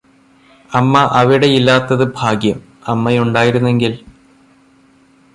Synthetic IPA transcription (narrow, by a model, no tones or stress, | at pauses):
ɐmːɐʔɐʋiɽe̞ilːaːt̪ːɐðɨbʱaːɡjɐm | ɐmːɐjuɳɖaːjiɾunːe̞ŋɡil